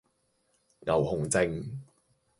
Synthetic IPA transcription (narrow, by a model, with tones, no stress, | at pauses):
ŋɐ̰˨˩whʊ˨˩ŋt͡sɪ˧ŋ